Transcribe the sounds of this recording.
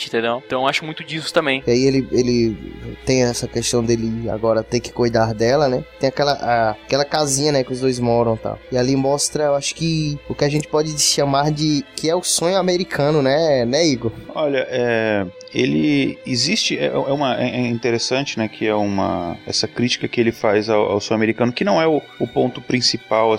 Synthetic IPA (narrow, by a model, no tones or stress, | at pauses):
ĩt̪ẽd̪ewt̪ɐ̃aʃʊmũj̃t̪ʊd͡ʒisʊ̥t̪ɐ̃mẽj̃iaielɪelɪt̪ẽj̃ɛsɐkeʃt̪ɐ̃w̃d̪elɪa̰ɡɔɾɐt̪eɾkɪ̥kojd̪aɾd̪ɛlɐnɛt̪ẽj̃akɛlɐʔakɛlɐkazĩɲɐnɛkɪʊzd̪ojzmɔɾɐ̃w̃t̪a̰wɪalimɔst̪ɾɐewaʃʊ̥kɪʊkɪaʒẽnt͡ʃ̪ɪ̥pɔd͡ʒɪɪʃɐmaɾd͡ʒɪkʰɪɛʊsõɲʊameɾikʰɐ̃nʊnɛnɛiɡoɔʎɐʔɛ | elɪːzist͡ʃɪɛ̰ʔɛ̰ɛũmɐɛɛĩt̪eɾesɐ̃nt͡ʃɪnɛkʰɪɛũmɐ̰ɛ̰sɐkɾit͡ʃi̥kɐkɪelɪfajzaa̰wsõameɾikɐ̃nʊkɪnɐ̃w̃ɛʊʊpõnt̪ʊpɾĩsipaw